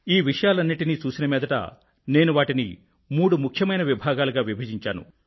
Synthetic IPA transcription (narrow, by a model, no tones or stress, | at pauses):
iːʋiʂɐjaːlɐnːiʈiniːt͡ʃuːsinɐmɛːd̪ɐʈɐ̰ | ne̞ːnuʋaːʈinḭ | muːɽumukʰjɐmɐjnɐʋibʱaːɡaːluɡaːʋibʱɐd͡ʒiɲt͡ʃaːnṵ